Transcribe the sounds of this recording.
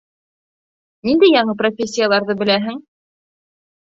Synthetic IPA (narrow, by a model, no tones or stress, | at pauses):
nind̪ɘjɑɴɤprofʲesʲːijalˠɑɾðɤbɘ̆læɦɘŋ